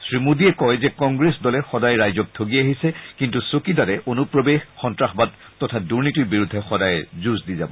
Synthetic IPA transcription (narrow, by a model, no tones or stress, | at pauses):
sɹimudiɛkɔjzɛkɔ̃ŋɡɹesdɔlɛxɔdajɹajzɔk̚tʰoɡiaɦisɛkintusokidadɛʔonupɹobexxɔntɹaxbad̚ | tːɔtʰaduɹnitiɹbiɹudʱːɛxɔdajɛzuzdiza̰bɔ